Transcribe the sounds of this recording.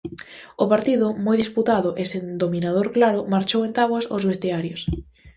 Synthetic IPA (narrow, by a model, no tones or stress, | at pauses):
ʊpaɾt̪iðʊmojðisput̪aðʊʔesend̪ominað̞oɾklaɾʊmaɾt͡ʃowẽnt̪aβwasozβest̪eaɾjʊs